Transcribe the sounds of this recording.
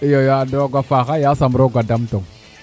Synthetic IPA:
jojadoɡʷafaxajasamɾoɡʷadamtoŋ

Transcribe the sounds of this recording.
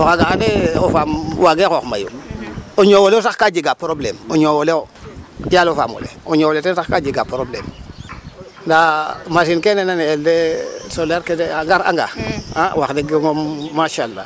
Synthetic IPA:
oxaɡaxdeofamwaɡekoxma̰jṵoɲowoleosaxkad͡ʒiɡapɾoblemoɲowoleo | jalofa̰mo̰lḛoɲowoletsaxkad͡ʒiɡapɾoblḛm | ndamasinkenenaneldesolaɾkedeaŋɡaɾa̰ŋɡa̰awaxdeɡeŋomːaʃalːa̰

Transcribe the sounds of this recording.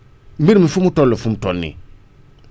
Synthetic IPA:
m̩biɾimifumutɔlːofumtɔnːḭ̃

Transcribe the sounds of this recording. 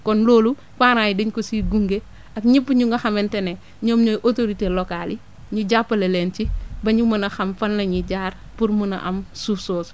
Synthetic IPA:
kɔnloːlu | faːɾajdiɲkosiɡuŋɡe | ɐkɲipːuɲuŋɡɐxɐmɛntɛne | ɲɔːmɲojʔotoɾitelokali | ɲuɟapːɐlelɛnt͡ʃibɐɲumɐnɐxɐmfɐnlɐɲiɟaːɾ | puɾmunɐ̰ʔɐ̰msusoːs

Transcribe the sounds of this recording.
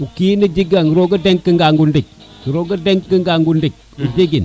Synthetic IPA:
ukinid͡ʒiɡaŋiɾoɡədeŋkːəŋɡaŋɡundik̚ | kiɾoɡədeŋkːiŋɡaŋɡundik̚ | ud͡ʒiɡin

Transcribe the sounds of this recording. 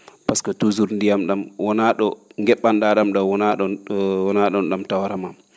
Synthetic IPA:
paskɔtuzuɾndijamɗamwɔnaɗɔŋɡɛɓːanɗaɗamɗɔwɔnaɗɔwɔnaɗɔnɗamtawaɾamam

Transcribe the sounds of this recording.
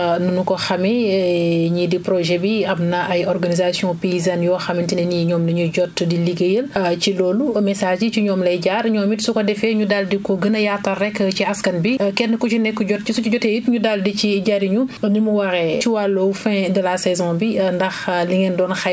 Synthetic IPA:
nunukɔxɐmɛ | ɲidipɾɔʒɛbiɐmnɐʔɐjɔrɡɐnizasjɔ̃peizanjɔxɐmintinɛniɲɔːmnɐɲuɟɔtdiliɡɐjəlcilɔːlumɛsaːʒiciɲɔːmlɐjɟaːɾɲɔːmitsukɔdɛfɛɲudaldikɔɡənɐjaːtarːɛkːciɐskɐnbikɛtnɐkut͡ʃunɛkːuɟɔt̚isut͡ʃiɟɔtɛjitɲudaldiciɟaɾiɲunimuwɐɾɛt͡ʃiwalːowfɛ̃ːdɐlasɛzɔ̃bindɐxliŋɛndɔːnxɐ

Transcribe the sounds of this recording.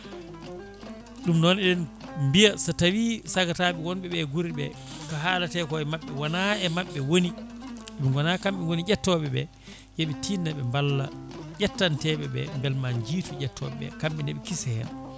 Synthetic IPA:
ɗumnɔnɛɗɛnmbijasatawisaɡataɓɛwɔnɓɛɓɛɡuɾiɓɛ̰kaɦaːlatɛkɔɛmaɓːɛwanaɛmaɓːɛwoniɗɛɓiŋɡɔnakamɓɛwonid͡ʒɛtːɔɓɛɓɛ̰ | jeɓɛtʰinːaɓɛmbalːa̰ʄɛtːantɛɓɛɓɛ̰mbɛlmand͡ʒiːtuɟɛtʰːɔ̰ɓɛɓɛ̰kamɓɛndɛɓɛkisɛhɛ̰n

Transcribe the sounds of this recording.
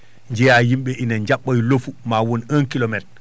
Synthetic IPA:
ɲd͡ʒɛjajimɓɛʔinaɲd͡ʒaɓːajlofumawɔnənkilɔmɛt

